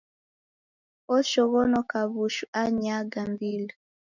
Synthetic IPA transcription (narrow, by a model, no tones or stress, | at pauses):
ɔʃɔɣɔnɔkaβuʃuaɲaɡambila